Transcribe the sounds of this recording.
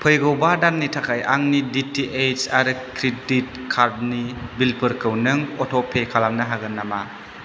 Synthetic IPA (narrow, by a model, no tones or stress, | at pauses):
pʰɯjɡɯwbadanːitʰakʰajaŋniditiʔejt͡ʃaɾɯkɾedit̚ | kʰaɾd̚nibilpʰɯɾkɯwnɯŋɔtʰɔpʰekʰalamnaɦaɡɯnːama